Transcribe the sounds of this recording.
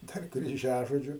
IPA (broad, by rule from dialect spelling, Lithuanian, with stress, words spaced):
ˈdɐr krʲiːˈʒʲæːʒoːd͡ʒʲʊ